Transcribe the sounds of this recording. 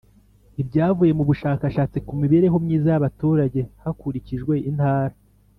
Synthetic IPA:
ibɟaːvuje̞muβuʃaːkaʃaːt͡sikumiβeɾe̞ɦo̞mɲiːzajaβatuːɾaɟe̞hakuɾiciʒɡwe̞ʔin̥haːɾa

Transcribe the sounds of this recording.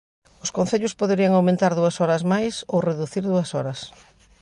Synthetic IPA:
ʊskõnθeʎʊspoðeɾiɐŋawmẽnt̪aɾðuɐsɔɾɐzmajsowreðuθiɾðuɐsɔɾɐs

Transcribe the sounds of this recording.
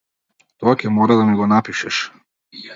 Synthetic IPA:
t̪ɔacʲɛmɔɾad̪anɛɡɔnapiʃɛʃ

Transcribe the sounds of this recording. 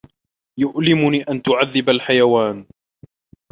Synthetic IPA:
jʊʔlɪmʊniːʔant̪ʊʕaðːɪbalħajawaːn

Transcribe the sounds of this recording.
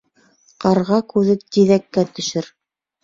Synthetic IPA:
qɑɾʁɑkʉðɘt̪iðækːæt̪ɵ̆ʃɘɾ

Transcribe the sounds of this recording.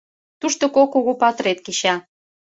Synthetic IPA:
t̪uʃt̪okokoɣopɑt̪ɾet̪̚kiɕɑ

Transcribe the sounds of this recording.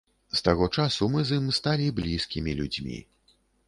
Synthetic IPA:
st̪aɣɔt͡ʂasumɨzimst̪alʲiblʲiskʲimʲilʲud͡zʲmʲḭ

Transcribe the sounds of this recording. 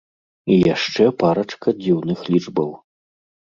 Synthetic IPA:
ijaʂt͡ʂɛpaɾɐt͡ʂkɐd͡zʲiwnɨxlʲid͡ʐbɐw

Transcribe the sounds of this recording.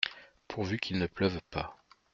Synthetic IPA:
pʰuʁvykʰilnəplœvpa

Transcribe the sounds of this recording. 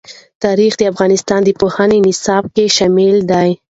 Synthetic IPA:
t̪ɑɾixd̪əafɣɑnɪst̪ɑnd̪əpohanenɪsɑb̚keʃamild̪aj

